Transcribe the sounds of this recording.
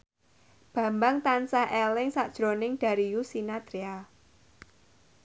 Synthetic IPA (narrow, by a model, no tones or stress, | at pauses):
b̥ä̤mbaŋt̪ansaʔɛlɪŋsaʔd̥ʒ̥ɾonɪŋɖ̥a̤ɾijusinat̪ɾia